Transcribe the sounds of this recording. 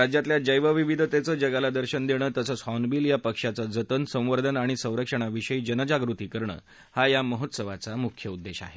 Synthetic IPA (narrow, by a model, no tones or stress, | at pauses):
ɾad͡ʑjat̪ljad͡ʑəjʋəʋiʋid̪ʱət̪et͡səːd͡ʑəɡalad̪əɾɕənd̪eɽ̃əːt̪əsəːt͡shɔnbiːljapəkʂat͡sad͡zət̪ənsə̃w̃ʋəɾd̪ʱənaɽ̃isə̃w̃ɾəkʂəɽ̃aʋiɕəiːd͡ʑənəd͡ʑaɡɾut̪iːkəɾɳə̰ː | hajaməɦot̪səʋat͡samukʰjəud̪ːeɕa̰ɦe